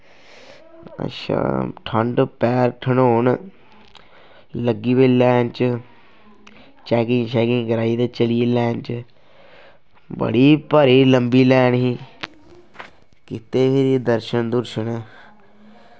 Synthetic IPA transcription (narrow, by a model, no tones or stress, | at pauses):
ə̰ʃʰã̰ːʈʰəɳɖpɛːɾʈʰəɳɦoːn | ləɡiːbelɛːnt͡ʃ | t͡ʃɛːkɪ̃ŋt͡ʃɛːkɪ̃ŋɡkəɾaːiːt̪eːt͡ʃəlieːlɛːnt͡ʃ | bə̰ɽiːpəɾiːləmbiːlɛːnɦiː | kɪt̪eːpʰɪɾid̪əɾʃənd̪ʊɾʃənɛ